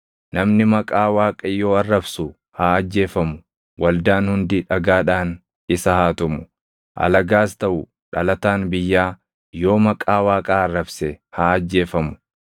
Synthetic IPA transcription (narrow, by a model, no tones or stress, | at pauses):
nɐmnɪmɐkʼaːwaːkʼɐjːo̞ːɐrːɐbsʊ | haːɐd͡ʒːe̞ːfɐmʊ | wɐld̪aːnhʊnd̪ɪᶑɐɡaːᶑaːn | ɪsɐhaːt̪ʊmʊ | ʔɐ̰lɐɡaːst̪ɐʔʊ | ᶑɐlɐt̪aːnbɪjːaː | jo̞ːmɐkʼaːwaːkʼaɐrːɐbsɛhaːɐd͡ʒːe̞ːfɐmʊ̥